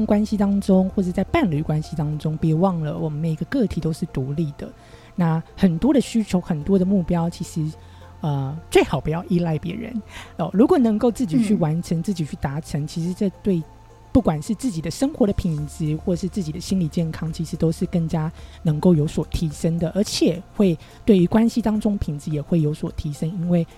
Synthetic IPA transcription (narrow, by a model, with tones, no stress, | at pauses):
ŋkwa˥nɕi˨˧t̪ɑ˥ŋʈ͡ʂʊ˥ŋxwɔ˥˩ʈ͡ʂə˨˧˩t͡sa˥˧ɪpa˥˩nly˨˩kwa˦nɕi˨˧t̪ɑ˥ŋʈ͡ʂʊ˥ŋpjɛ˧˥wɑ˥˩ŋlə˩wɔ˨˩mə˦nme˨˩i˧˦ɡə˧kɤ˥˩t̪ʰi˨˩t̪o˥ʊʂɻ̩˥˩t̪u˧˥li˥˩d̪ə̰˩ | na˥˩xə˨˩nt̪wɔ˥d̪ə˨ɕy˥t͡ɕʰjo˧˥ʊxə˨˩nt̪wɔ˥d̪ə˨mu˥˩pjɑ˥ʊt͡ɕʰi˧˥ʂɻ̩˧˦ | ə˧t͡swe˥˩ɪxɑ˨˩ʊpu˧˥jɑ˥˧ʊʔi˥˧la˥˩ɪpjɛ̰˧˥ɻə̰˧˦nə˨˩ɻu˧˥kwɔ˨˩nə˧˥ŋko˥˧ʊt͡sɹ̩˥˩t͡ɕi˨˩t͡ɕʰy˥˩wa˧˥nʈ͡ʂʰə˧˥ŋt͡sɹ̩˥˩t͡ɕi˨˩y˥˩t̪a˧˥ʈ͡ʂʰə˧˥ŋt͡ɕʰi˧˥ʂɻ̩˧˥ʈ͡ʂɤ˥˧t̪we˥˧ɪ | pu˥˩kwa˨˩nʂɻ̩˥˧t͡sɹ̩˥˩t͡ɕi˨˩d̪ə˦ʂə˥ŋxwɔ˧˥˦d̪ə˧pʰi˨˩ŋt͡s̩˧˥xwɔ˥˩˨ʂɻ̩˥˧t͡sɹ̩˥˩t͡ɕi˨˩d̪ə˦ɕi˥nli˨˩t͡ɕjɛ˥˩nkʰɑ˥ŋt͡ɕʰi˧˥ʂɻ̩˧˥t̪o˥ʊʂɻ̩˥˧kə˥˩ŋt͡ɕja˥nə˧˥ŋko˥˩ʊjo˧˥ʊswɔ˨˩t̪ʰi˧˥ʂə˥ŋd̪ə˨ʔə˞˧˥t͡ɕʰjɛ˨˩xwe˥˧ɪ | t̪we˥˩ɪy˧˥kwa˥nɕi˨˧t̪ɑ˥ŋʈ͡ʂʊ˥ŋpʰi˨˩ŋt͡sɹ̩˧˦jɛ˨˩xwe˥˩ɪjo˧˥ʊswɔ˨˩t̪ʰi˧˥ʂə˥ŋi˥nwe˥˩ɪ